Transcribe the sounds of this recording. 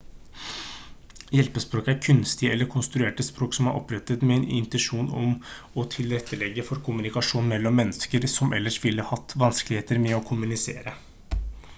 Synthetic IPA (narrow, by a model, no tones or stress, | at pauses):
jɛlpəspɾoːkæɾkʰʉnst̪ɪɛlːəɾkʰʊnst̪ɾʉeːʈəspɾoːksɔmæɾʔɔ̰pɾɛt̪ːət̪mɛɛːnɪ̰nt̪ənʂuːnɔ̰m | ɔt̪ʰɪlɾɛt̪ːəlɛɡːəfɔɾkʰʊmʉnɪkɑʂuːnmɛlːɔmːɛnːəskəɾsɔmʔɛ̰lːəʂʋɪlːəhɑt̪ːʋɑnskəlɪheːt̪əɾmɛɔkʰʊmʉnɪsḛːɾə